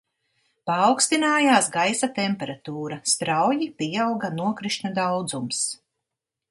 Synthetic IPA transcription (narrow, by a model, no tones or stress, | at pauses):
paːwkst̪inaːjaːsɡajsat̪ɛmpɛɾat̪uːɾast̪ɾawjipiawɡanuɔkɾiʃnad̪awd̪zums